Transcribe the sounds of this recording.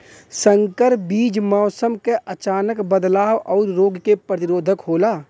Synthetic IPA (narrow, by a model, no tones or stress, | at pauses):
sə̃ŋkəɾbiːd͡ʒmaːsəmkeʔɐt͡ʃaːnəkbəd̪laːʋɔːɾɾoːɡkepɾət̪ɪɾoːd̪ʱəkɦoːlaː